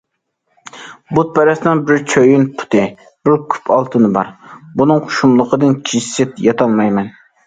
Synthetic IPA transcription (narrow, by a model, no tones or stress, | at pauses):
but̪̚pʰɛɾɛsnɪŋbɪɾt͡ʃʰøjynpʰʊ̥t̪ʰɨ | bɪɾkʲʰy̥pʰɑlˠt̪ʰɨnɨbɑɾbunɨŋqʰʊ̥ʃumlˠəqʰəd̪ɨnkʲʰiʃsɪt̪jɑt̪ʰɑlˠmɑjmɛn